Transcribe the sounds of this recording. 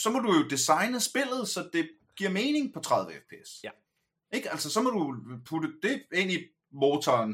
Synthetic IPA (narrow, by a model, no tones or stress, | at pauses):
sɒ̽mɒ̽dujo̝d̥isɑ̈ɪnəsb̥e̝l̰ð̞̩ˠsɒ̽d̥e̝ | ɡ̥iɐ̰me̝ːne̝ŋpʰɒ̽t͡sʰʁɑ̈ð̞ˠʋəefpʰe̝̰s | ʔe̝ɡ̥ælsəsɒ̽mɒ̽dɾupʰudəd̥e̝e̝n̰i | mɔːt͡sʰɒːn